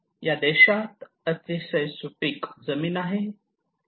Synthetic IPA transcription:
jad̪ɛɕat̪ | ət͡sisəjsuʈikd͡zəmiːnaɦe

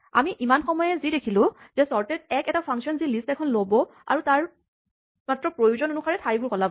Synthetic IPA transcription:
a̰miʔimanxɔmɔjɛzidekʰilʊ̃z̥ɛsɔɹtɛt̚ɛkɛtapʰaŋsiɔnzilistɛkʰɔnlobɔa̰ɹutaɹ | matɹɔpɹojuzɔnonuxaɹɛtʰaɹjbʊɹkɔlabɔ

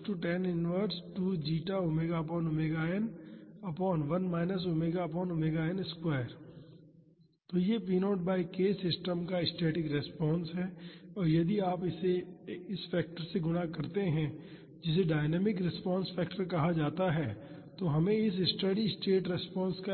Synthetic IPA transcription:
ʈuʈɛnɪnʋəɾsʈuːd͡ʒiːʈaomeːɡapɔːnʊmeːɡaːənɐpɔːnʋɐnmaːɪnəs̬omeːɡapɔːnʊmeːɡaːənɪskwaːɪəɾ | t̪oːjep̬iːnoːʈ̚baːikeːsɪsʈəmkaɪsʈeːʈɪkɾɛspɔ̃ːnsɦɛːɔːɾjɐd̪iaːpɪseɪsfɛːk̚ʈəɾseɡʊnakɐɾt̪eɦɛ̃ | d͡ʒɪs̬eɖaːɪnɛːmɪkɾɪspɔ̃ːnsfɛːkʈəɾkɐɦad͡ʒaːt̪aɦɛːt̪oːɦɐmẽɪs̬ɪsʈəɖiɪsʈeːʈɾɛspɔ̃ːnska

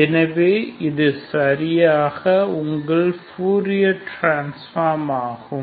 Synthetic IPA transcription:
ɛnɐʋeːɪðɯsɐɾɪjaːɣɐʊŋɡɐɭpuːɾɪjɐʈɾaːnsfaːɾmaːɣɯ

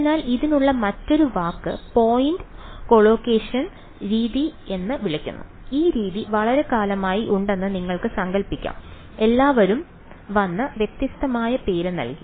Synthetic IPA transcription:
naːliðinuɭːɐmɐtːo̞ɾuʋaːkːɨpo̞ːjindɨko̞ɭoːkeːʂɐn | ɾiːðie̞nːɨʋiɭɐkʲːṵnːṵ | iːɾiːðiʋɐɭɐɾe̞kaːlɐmaːjiʔuɳɖe̞nːɨniŋːɐɭkɨsɐŋɡɐɭpːikʲːa̰ːm | e̞lːaːʋɐɾum | ʋɐnːɨʋjet̪jɐst̪ɐmaːjɐpe̞ːɾɨnɐ̰lki

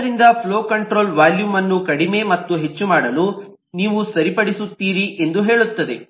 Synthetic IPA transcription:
ɾind̪ɐpʰloːkɐɳʈɾo̞ːlʋaːljuːmɐnːukɐɽime̞ːmɐt̪ːuɦe̞t͡ʃːumaːɽɐlu | niːʋusɐɾipɐɽisut̪ːiːɾiʔe̞nd̪uɦe̞ːɭut̪ːɐd̪ḛ

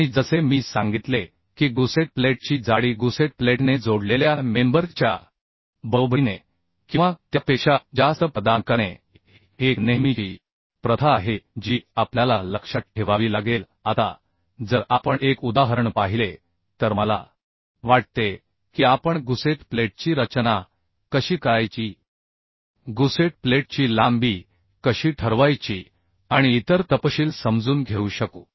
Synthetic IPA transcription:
ãid͡zəsemiːsãŋɡit̪le | kiːɡuseʈ̚pleʈ̚t͡ɕiːd͡zaɽiːɡuseʈ̚pleʈned͡zoɽleljamembəɾt͡ɕja̰ | bəɾobɾine | kĩw̃ʋat̪japeɕad͡ʑast̪əpəd̪aŋkanḛ | eknemikiː | pɾət̪ʰaɦed͡ʑiːapljalaləkʂəʈ̪̚ʈʰeʋaʋiːlaɡel | at̪a̰ | d͡zəɾapəɳekud̪aɦəɾəɳpaɦile | t̪əɾməla̰ | ʋaʈ̚t̪e | kiːapəɳɡuseʈpleʈ̚t͡ɕiːɾət͡ɕna | kəɕiːkəɾajt͡ɕiː | ɡuseʈ̚pleʈ̚t͡ɕiːlambiː | kəɕiːʈʰəɾʋajt͡ɕiː | aɽ̃iːt̪əɾt̪əpəɕiːlsəmd͡zuːnɡʱeuɕəko

